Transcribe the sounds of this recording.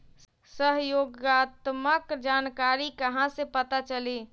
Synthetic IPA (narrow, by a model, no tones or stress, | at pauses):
səɦjoːɡaːt̪məkd͡ʒaːnkaːɾikɐɦãsepət̪at͡ʃəliː